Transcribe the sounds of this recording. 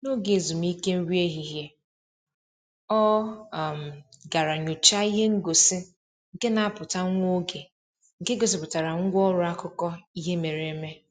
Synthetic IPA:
no˦ɡe˨zu˨mi˦ke˦m̩˦ɾi˦e˦ɦi˦ɦje˦ | ɔ˦˨m̩˨ɡa˨ɾa˨ɲo˨t͡ʃa˦i˦ɦe˦ŋ̩˦ɡo˨si˦ | ŋ̩˨ke˦na˨a˦pʊ˨ta˦ŋʷo˦ɡe˨ | ŋ̩˨ke˦ɡo˨s̬i˦pʊ˨ta˨ɾa˨ŋ̩˦ɡʷɔ˦ɾʊ˨a˦kʊ˦kɔ˦i˦ɦe˦me˨ɾe˨˦me˦

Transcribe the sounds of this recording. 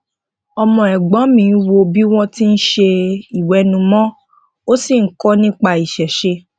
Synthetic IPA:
ɔ˧mɔ̃˧ɛ˨ɡ͡bɔ̃˨˦mĩ˧˨˦wo˧bi˦w̃ɔ̃˦ti˦n̩˦ʃe˧i˨wɛ˨˦nũ˧mɔ̃˦ | o˦si˨ŋ̩˦kɔ˦nĩ˦k͡pa˧i˨ʃɛ˨ʃe˧

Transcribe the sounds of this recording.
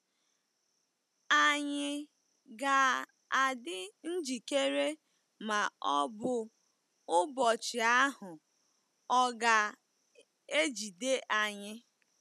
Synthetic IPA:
a˨ɲɪ˦ | ɡa˨ | a˨dɪ˦n̩˦d͡ʒi˨ke˦ɾe˦ | ma˨ɔ˦bʊ˦ | ʊ˦bɔ˨t͡ʃɪ˨a˦ɦʊ˨ | ɔ˦ɡa˨ | e˦d͡ʒi˨de˦ʔa˨ɲɪ˦

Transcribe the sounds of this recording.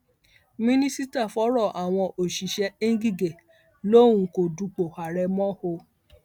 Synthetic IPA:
mĩ˦nĩ˦si˦ta˦˨fɔ˨˦ɾɔ˦˨ʔa˨w̃ɔ̃˧ʔo˨ʃi˨ʃɛ˧˦ĩ˦ɡi˦˨ɡe˨ | lo˦wũ˧ko˨du˨˧k͡po˨ha˨ɾɛ˧mɔ̃˦ho˧

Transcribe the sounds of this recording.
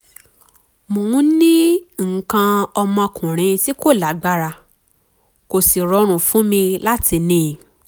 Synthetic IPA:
mõ˨ũ˨˦nĩ˦ŋ̩˨kã˧ɔ˧mɔ̃˧kũ˨ɾ̃ĩ˨˧ti˦ko˦˨la˨˦ɡ͡ba˦ɾa˧ | ko˨si˨ɾɔ˧˦ɾ̃ũ˨fũ˨˦mĩ˧la˦ti˧nĩ˨

